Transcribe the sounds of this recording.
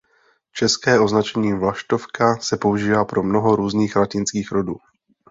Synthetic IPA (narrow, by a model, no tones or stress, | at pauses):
t͡ʃɛskɛːʔo̞znat͡ʃɛɲiːvlaʃt̪o̞fkasɛpo̞uʒiːvaːpɾo̞mno̞ɦo̞ɾuːzniːxɾacɪnskiːxɾo̞duː